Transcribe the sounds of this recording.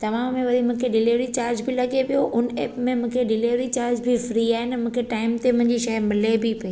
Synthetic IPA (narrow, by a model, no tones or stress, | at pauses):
t̪ɐʋ̤ãːẽʋɐɾimũːkʰeɖɪleːʋɾit͡ɕaːɾd͡ʑbɪlɐɡepijoʔʊnḛːpmẽmʊ̃ːkʰeɖɪleːʋɾit͡ɕaːɾd͡ʑbʱɪfɾiːaːɦɪnmũːkʰeʈaːɪmt̪emʊ̃ɦɪ̃ɲd͡ʑiʃɐmɪlebɪpɐiː